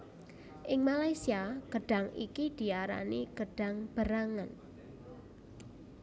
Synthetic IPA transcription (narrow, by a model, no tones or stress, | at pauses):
ʔɪŋmalajsiaɡ̥əɖ̥a̤ŋḭkid̪̥i̤aɾa̰niɡ̥əɖ̥a̤ŋb̥əɾaŋan